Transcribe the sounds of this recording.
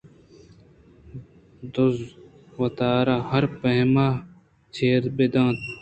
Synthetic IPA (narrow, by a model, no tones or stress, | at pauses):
d̪oz | wɐt̪aːɾaːhɐɾpɐɦmaː | t͡ɕʰeːɾbed̪ãːt̪